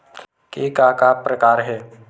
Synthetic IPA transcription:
keːkakapɾəkaːɾɦɛː

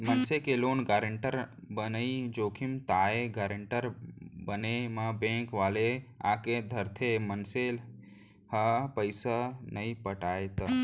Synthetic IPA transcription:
mənsekeloːnɡaːɾəɳʈəɾbənəid͡ʒoːkʰimt̪aːeɡaɾəɳʈəɾbənemãbẽŋkʋaːlea̰ked̪ʱəɾt̪ʰemənsel | hapəɪsanəipəʈaːet̪

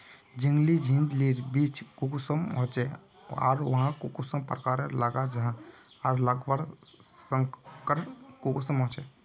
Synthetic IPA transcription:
d͡ʒiŋɡlid͡ʒʱĩnd̪liɾbit͡ʃkukusəmɦot͡ʃɛ | a̰ːɾʋɐɦãkukusəmpɾəkaːɾelaɡad͡ʒəɦã | aɾləɡbəɾsəŋkəɾənkukusəmɦɔ̃t͡ʃɛ

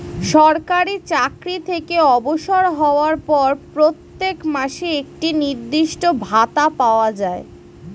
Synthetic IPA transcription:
ʃɔɾkaɾit͡ɕakɾit̪ʰekeɔboʃoɾɦɔoaɾpɔɾpɾot̪ːekmaʃeek̚ʈiniɾd̪iʃʈobʱat̪apaoad͡ʑae

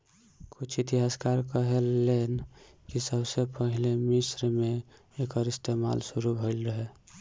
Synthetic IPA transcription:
kʊt͡ʃʰit̪iɦaːskaɾkəɦelen | kisəbsepəɦilemɪsɾmẽ | ekəɾɪst̪ema̰ːlsʊɾubʱəɪlɾəɦe

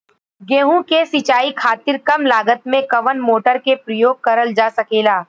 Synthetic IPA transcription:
ɡẽːɦũkesɪt͡ʃaːikʰaːt̪ɪɾkɐmlaːɡət̪mẽkɐʋənmoːʈəɾkepɾəjoːɡ̚kɐɾəld͡ʒaːsɐkeːlaː

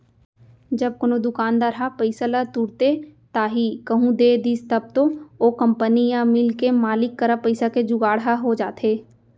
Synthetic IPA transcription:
d͡ʒɐb̚konod̪ʊkaːnd̪aːɾɦapəɪsalat̪uːɾt̪et̪aːɦikɐɦũd̪eːd̪iːst̪ɐb̚t̪ookə̃mpənijãmɪlkemaːlɪkːəɾapəɪsaked͡ʒʊɡaːɽɦaɦod͡ʒaːt̪eː

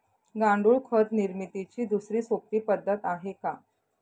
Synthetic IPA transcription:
ɡãɳɖuːɭkʰət̪niɾmit̪it͡ɕiːd̪usɾiːsok̚t̪iːpəd̪ʱːət̪aɦeka

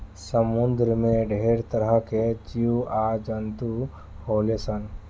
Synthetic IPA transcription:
səmund̪ɾəmẽɖʱeɾt̪əɾəked͡ʒiuad͡ʒənt̪u | holesən

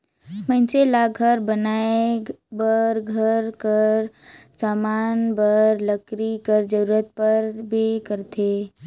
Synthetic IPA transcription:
mənselaɡʱəɾbənaebəɾɡʱəɾkəɾsamanbəɾləkɾikəɾd͡ʒəɾuɾət̪̚pəɾbʱikəɾt̪ʰe

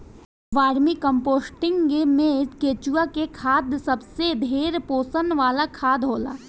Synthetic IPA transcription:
ʋaːɾmikə̃mpoːsʈɪ̃ŋɡɡemẽkeːt͡ʃuakekʰaːd̪sɐbsed̪ʱeːɾpoːsənʋaːlakʰaːd̪ɦoːla̰ː

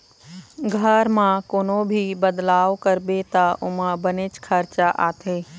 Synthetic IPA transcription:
ɡʱɐɾmãkoːnobʱibɐd̪laːʋkɐɾbet̪aʔʊməbɐnet͡ʃkʰəɾt͡ʃaʔaːt̪ʰeː

